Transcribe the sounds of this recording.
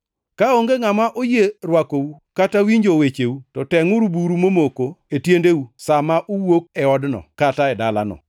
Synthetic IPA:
kaoŋɡeŋamaʔojeɾwakowukatawiɲd͡ʒowet͡ʃewutɔtɛŋuɾubuɾumomokoetjendewusamaʔuwok̚ɛɔdnɔ̰kataɛdala̰nɔ̰

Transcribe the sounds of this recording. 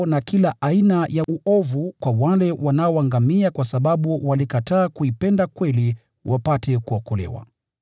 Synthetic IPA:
nakilaʔainajaʔuʔɔvukwawalɛwanaɔwaŋɡamiakwasaɓaɓuwalikataːkuipɛndakwɛli | wʔapatɛkuakɔlɛ̰wa̰

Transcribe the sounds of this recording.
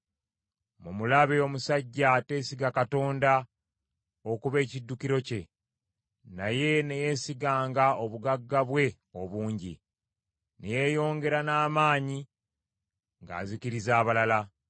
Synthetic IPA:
mumulaβeo̞musaɟːate̞ːsiɡakato̞ːnda | o̞kuβe̞ːcidːukiɾo̞ce̞ | naje̞ne̞je̞siɡaːŋɡao̞βuɡaɡːaβwe̞ | o̞βuːɲɟḭ | neje̞jo̞ːŋɡe̞ɾanaːmaːɲi | ŋɡa̰ːziciɾizaːβalala

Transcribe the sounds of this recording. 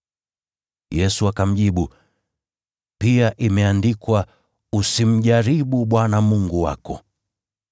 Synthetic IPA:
jɛsuakam̩ʄiɓu | piaʔimɛandikwa | usim̩ʄaɾiɓuɓwanamuŋɡuwa̰kɔ̰

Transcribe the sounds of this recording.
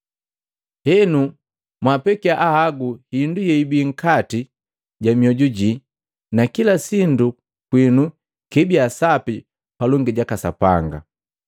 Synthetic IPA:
hɛnu | mwapɛkiaʔahaɡuhindujɛibiŋ̩kati | ɟamiɔɟuɟi | nakilasindu | kwinu | kɛbiasapi | palɔŋɡiɟakasa̰pa̰ŋɡa̰

